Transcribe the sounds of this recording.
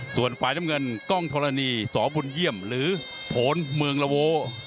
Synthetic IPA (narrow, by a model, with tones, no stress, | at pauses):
su˨˩ənfaː˨˩jt͡ɕa˧mŋɤ˧nkɔ˥˩ŋt̪ʰo˧la˧niː˧sɔː˩˦bu˧nji˥˩əmɾɯː˩˦ | p̪ʰoː˨˦nmɯ˧əŋla˧woː˧˥